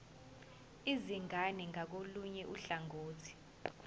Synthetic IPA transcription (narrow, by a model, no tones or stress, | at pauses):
iziŋaniŋak̬oluɲɛʔuɬaŋoːtʰi̥